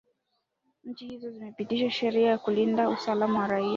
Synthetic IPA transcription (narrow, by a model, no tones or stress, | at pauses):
ɲ̩t͡ʃihizɔzimɛpitiʃaʃɛɾiajakulindausalamawaɾaia